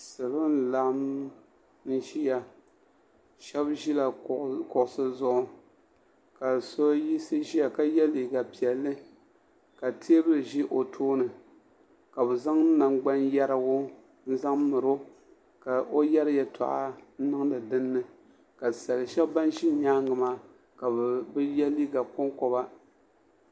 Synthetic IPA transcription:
sɨ˨bɨ˦n˦la˨ʔm | n̩˦ʒi˦ja˨ | ʃɛ˦bʒi˦la˨kʊ˨ʔʊ˨sɨ˦zʊ˦ʔʊ˦ | ka˨so˦ji˦sɨ˦ʒi˦ja˨ka˦jɛ˦li˨ɡa˨pi˨ɛ˨lːɨ˦ | ka˨tʰe˦bɨ˦ɾɨ˨ʒi˦ʔo˨tʰoː˦nɨ˨ | ka˨bɨ˨za˦ŋ˦na˨ŋɡ͡ba˦njɛ˦ɾa˨ɡʊ˦ | n̩˦za˦ŋ˦mɨ˨ɾo˦ | ka˨ʔo˦jɛ˦ɾɨ˦jɛ˨tʰa̰˨ʔa̰˦n̩˦nɨ˦ŋ˦nɨ˨dɨ˦nːɨ˨ | ka˨sa˨lɨ˨ʃɛ˦ba˦nʃi˦ɲaː˦ŋɡɨ˨maː˨ | ka˨bbɨ˦jɛ˦li˦ɡa˨ko˦ŋkɔ˦ba˦

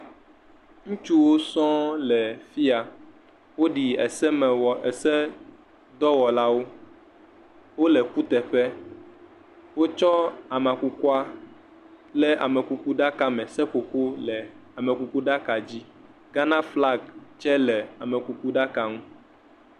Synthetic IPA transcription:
ŋũ˦t͡ʃu˦wo˦sɔ̃˦lɛ˨fi˦a˨ | wo˦ɖi˨ɛ˨sɛ˦m˨ɛ˨sɛ˦ | d̪ɔ˦wɔ˨la˦wo˦ | wo˦lɛ˨ku˦t̪ɛ˨ɸɛ˦ | wo˦t͡ʃɔ˦a˨mã˨ku˦ku˦a˦ | lɛ˦a̰˨mɛ̃˨ku˨ku˦ɖa˦ka˦mɛ̃˨sɛ˦ko˨ko˦lɛ˨a˨mɛ̃˨ku˨ku˦ɖa˦ka˨d͡ʑi˦ | ɡa˦nã˦fla˦ɡ̚t͡ʃɛ˦lɛ˨a˨mɛ̃˨ku˨ku˦ɖa˦ka˦ŋũ˦

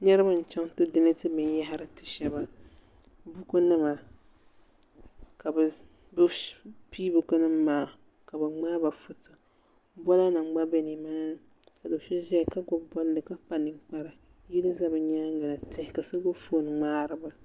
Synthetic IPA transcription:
ɲɛ˦ɾɨ˦ba˦n̩˨t͡ʃa˦ŋ˦tɨ˦dɨ˦nɨ˦tɨ˦mɨ˨nja˦ɦɪ˦ɾɨ˦tɨ˨ʃɛ˦ba˨ | bu˦ko˦nɨ˦ma˨ | ka˨bɨ˨ | bɨ˦piː˦bɨ˨kɨ˦nɨ˦mːaː˨ | ka˨bɨ˨ŋ͡maː˦ba˨fʊ˦tɨ˨ | bɔ˦la˦nɨ˨ŋ͡mɡ͡ba˦bɛ˦ni˨ma˦n˦ | ka˨do˨ʃɛ˦ʒɛ˦˨ka˦ɡɔ˦bɔ˦ldɨ˨ka˦pa˨nɨ˨˦ŋk͡pa˦ɾa˨ | ji˦lɨ˦za˦bɨ˨ɲaː˦ŋ˦ɡa˨na˨tɪ˦hka˨so˦ɡo˦fo˦˨nɨ˨ŋ͡maː˦ɾɨ˦ba˨

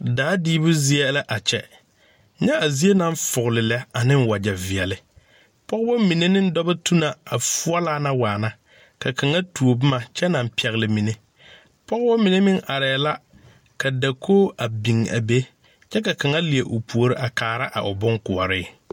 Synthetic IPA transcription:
daː˨˦diː˦bʊ˦zɪ˦ɛ˦la˦ʔa˨t͡ʃɛ̰˦ | ɲɛ˦a˨zi˦e˦na˨ɱ˦fʊ˨ɣlɪ˨lɛ˦a˨nɪ˦ŋ˦wa˨d͡ʒa˨vɪ˨ɛ˨lɪ˦ | pɔ˦ɣba˦mi˨ne˦nɪ˦n˦dɔ˦bɛ˦tu˦na˨a˨fu˦ɔ˦laː˦na˦waː˨na˦ | ka˨ka˨ŋa˦tu˨o˨bʊ˦ma˨t͡ʃɛ˦na˨m˦pɛ˨ɣlɪ˨mi˨ne˦ | pɔ˦ɣbɔ˦mɪ˨ne˦mɪ˦ŋʔa˨ɾɛː˨la˦ | ka˨da˨kʰoː˦a˨bi˨ŋa̰˨be˦ | t͡ʃɛ˦ka˨ka˨ŋa˦li˨e˨ʔo˨pu˨o˨ɾɪ˦ʔa˨kaː˨ɾa˦ʔa̰˨ʔʊ˨bʊ˦ŋkʊ˨ɔ̰˨ɾɪ˦

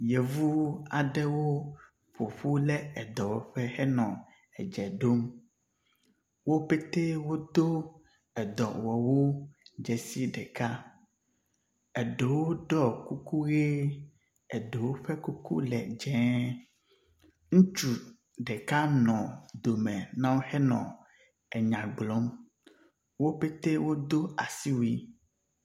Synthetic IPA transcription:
je˨vu˦a˨ɖɛ˦wo˦ | ɸo˨ɸu˦lɛ˦ɛ˨d̪ɔ˨wɔ˨ɸɛ˦hɛ˦nɔ̃˨ | ɛ˨d͡ʒɛ˨ɖo˦m | wo˦pe˦t̪e˦wo˦d̪o˦ | ɛ˨d̪ɔ˨wɔ˨wo˦d͡ʒɛ˨si˦ɖɛ˨ka˦ | ɛ˨ɖe˨wo˦ɖɔ˦ku˦ku˦ɣe˦ | ɛ˨ɖe˨wo˦ɸe˦ku˦kṵ˦lɛ̰˨d͡ʒɛ̃˦ | ŋũ˦t͡ʃu˨ | ɖe˨ka˦nɔ̃˨d̪o˨mɛ˨nã˦wo˦hɛ˦nɔ̰̃˨ | ɛ˨ɲã˨ɡ͡blɔ˦m | wo˦pe˦t̪e˦wo˦d̪o˦a˨si˦wi˦

